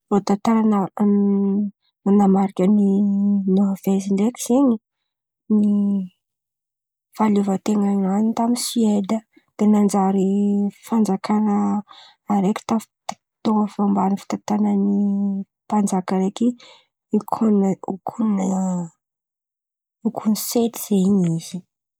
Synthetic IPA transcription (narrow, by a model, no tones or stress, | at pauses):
lot̪at̪aɾana | anamaɾikʲəninoɦaveziɳɖ͡ʐekʲi̥z̥eɲi | ni | faluvət̪eŋananint̪amisied̪ə | d̪̥enand͡ʒaɾifand͡zakʰanəː | ɾekʲi̥t̪aft̪ | t̪oŋəfambanifi̥t̪at̪anəni | pand͡zakəɾeki | ikʰunukʰuna | ukʰuniset̪i̥z̥eɲizi